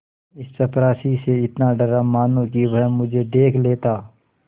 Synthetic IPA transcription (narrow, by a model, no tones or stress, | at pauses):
ɪst͡ʃɐpɾaːsiseɪt̪naɖəɾamaːnõkibəɦmʊd͡ʒʱed̪eːkʰleːt̪aː